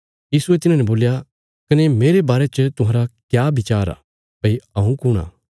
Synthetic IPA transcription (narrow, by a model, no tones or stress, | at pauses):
jiːsuet̪ɪnãːnɛboːlja | kɐnemeːɾebaːɾet͡ʃət̪ʊɦãːɾakjaːbɪt͡ʃaːɾa̰ | pɐiɐũkʊɽ̃a̰ː